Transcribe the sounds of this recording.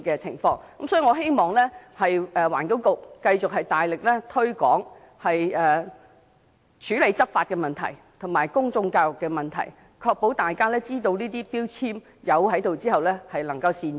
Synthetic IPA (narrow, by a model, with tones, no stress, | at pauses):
kɛː˧t͡sʰɪ̰˨˩ŋfɔː˧ŋkɐ˨˥msɔː˨˥i˨˧˩ŋɔː˨˧ɦe˥jmɔː˨ŋlɛː˥hɐ˨jɛː˨wa̰ː˨˩nkʊ˨˥wkʊ˨kːɐ˧jt͡sʊ˨k̚ɦɐ˨jt̪aː˨jlɪ˨k̚lɛː˥t̪ʰɵ˥ɥkɔː˨˥ŋ | hɐ˨jɛː˨ | t͡ʃʰyː˨˥le˨˧jt͡sɐ˥p̚faː˧t̚kɛː˧mɐ˨nt̪ʰɐ˨˩j | t̪ʰʊ˨˩ŋmaː˨˩jkʊ˥ŋt͡sʊ˧ŋkaː˧wjʊ˨kːɛː˧mɐ˨nt̪ʰɐ̰˨˩j | kʰɔː˧k̚po˨˥wt̪aː˨jkaː˥lɛː˥t͡siː˥t̪o˧wniː˥t̪iː˥piː˥wt͡sʰiː˥m | jɐ˨˧wɦɐ˨˥jt̪o˨wt͡siː˥hɐ˨wlɛ˥hɐ˨jlɐ˨˩ŋkɐ˧wsiː˨˧n